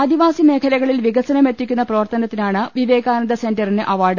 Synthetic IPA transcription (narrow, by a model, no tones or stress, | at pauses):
ɐd̪iʋaːsime̞ːkʰɐlɐɣɐɭilʋiɡɐsɐnɐme̞tːikʲːunːɐprɐʋɐrt̪ɐnɐt̪ːinaːɳɨʋiʋe̞ːɣaːnɐd̪ɐse̞ndɐrinɨʔɐʋaːɖɨ